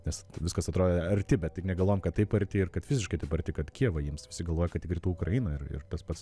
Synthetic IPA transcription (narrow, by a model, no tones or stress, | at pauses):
nʲɛsʋʲɪskɐsɐt̪ɾoːdʲɐɾʲt̪ʲɪbʲɛt̪̚tʲɪknʲɛɡɐlˠoːjɛmkɐttɐɪpɐrʲt̪ʲɪɪrkɐt̪ʋʲɪzʲɪʃkɐɪt̪ɐɪpɐɾʲrʲt̪ʲɪkɐt̪kʲiɛʋɐjiːmsʋʲɪsʲɪɡɐlˠʋoːjɛkɐt̪ʲɪkrʲɪt̪uːʊkrɐiːnɐɪrɪ̰rt̪ɐspɐts